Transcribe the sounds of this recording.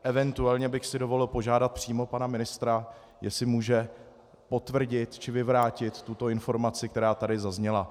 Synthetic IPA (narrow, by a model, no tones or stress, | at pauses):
ʔɛvɛnt̪uɛlɲɛbɪxsɪdo̞vo̞lɪlpo̞ʒaːdat̪̚pr̥iːmo̞panamɪnɪst̪ɾa | jɛsɪmuːʒɛ | po̞t̪vr̩ɟɪt̪t͡ʃɪvɪvɾaːcɪt̪ːut̪o̞ɪnfo̞ɾmat͡sɪkt̪ɛɾaːt̪adɪzazɲɛla